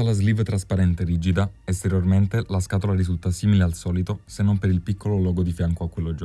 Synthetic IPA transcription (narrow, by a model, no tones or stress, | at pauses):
alazlivt̪ɾaspaɾɛnt̪eɾiːd͡ʒid̪a | ɛst̪eɾjorment̪elaskaːt̪olaɾizult̪asiːmilealsɔːlit̪osenːompeɾilpikʰːololɔːɡod̪ifjaŋkoakːwelːod͡ʒo